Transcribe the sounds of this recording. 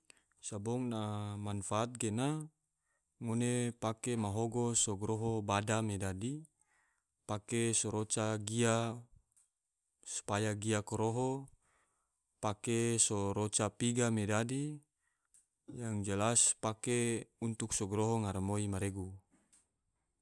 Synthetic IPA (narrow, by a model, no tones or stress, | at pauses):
sabɔŋnamanfaːt̪̚ɡena | ŋonepakemaɦoɡosɔɡɾoɦobadamedadi | pakesoɾot͡ʃaɡia | su̥pajaɡiakoɾoɦo | pakesoɾot͡ʃapiɡamedadi | jaŋd͡ʒəlaspakeunt̪uksoɡɾoɦoŋaɾamoimaɾeɡu